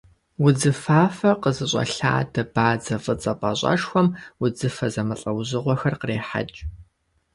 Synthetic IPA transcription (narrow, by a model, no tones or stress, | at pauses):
wʊd͡zɨfaːfɐqəzɨɕʼɐ̰ɬa̰ːdɐbaːd͡zɐvɨt͡sʼɐpʼɐɕʼɐ̰ʂxʷɔmwʊd͡zɨfɐzɐmɐɬʼɐwʑɨʁʷɔxɐrqəreːħa̰t͡ʃʼ